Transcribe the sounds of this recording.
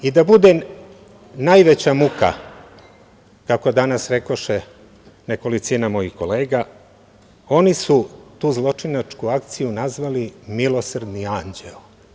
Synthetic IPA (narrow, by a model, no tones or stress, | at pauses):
id̪abud̪e | najʋe̞t͡ɕamuka̰ | kako̞d̪anasɾe̞ko̞ʃe | neko̞lit̪sinamo̞jixko̞leːɡa | o̞nisut̪uːzlˠo̞t͡ʂinat͡ʂkuak̚t̪sijunazʋalimilo̞sr̩d̪niand͡ʑel